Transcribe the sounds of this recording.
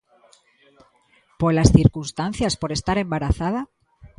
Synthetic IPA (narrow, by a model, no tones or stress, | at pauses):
polasθiɾkunst̪an̟θjaspo̞ɾe̞st̪aɾe̞mbaɾaθaða